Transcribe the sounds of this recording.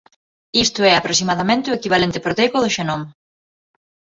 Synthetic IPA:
ist̪ʊɛapɾosimaðamẽnt̪ɪoekiβalent̪ɪ̥pɾot̪ekʊðʊʃenɔm

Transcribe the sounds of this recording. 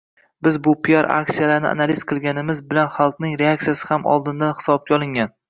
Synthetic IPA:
bɪzbʊpʰijaɾa̰k̚sijalaɾnɪ̰a̰naliz̥qʰɨlˠɡʲanɪmɪzbɪlanχɑlˠq̪nɪŋɾeak̚t̪sijasɪhamɒ̰lˠd̪ɪnd̪anhɪ̥sɒb̚kʲaɒlˠɪŋʲan

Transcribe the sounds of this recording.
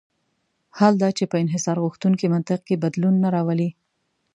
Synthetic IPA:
hald̪ɑt͡ʃepəɪnɦɪsɑɾɣuxt̪uŋkimant̪ɪq̚kebad̪lunːaɾɑwəli

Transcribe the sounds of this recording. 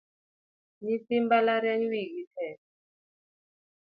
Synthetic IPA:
nisimbalaɾjaɲiwikitʰɛ

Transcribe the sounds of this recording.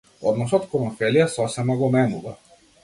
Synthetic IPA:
ɔd̪nɔsɔt̪kɔlɔnfɛlijasɔsɛmaɡɔmɛmuva

